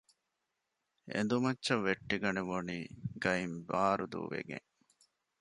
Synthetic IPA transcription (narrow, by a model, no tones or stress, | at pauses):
ḛnd̪umɐtːʃɐʋːeʈːiɡɐneʋoniːɡɐimbaːɾud̪ṵːʋḛɡḛŋ